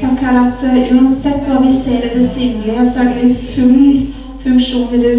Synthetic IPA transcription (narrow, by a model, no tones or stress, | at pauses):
ɑŋkæɾɑt̪ʔʉːɑnsɛt̪ːʋɑːɾʋɪseːɾɛd̪ɛsyːnəlɪɔsɔæɖɛɪfʉl | fʉŋkʂuːnəɾɛ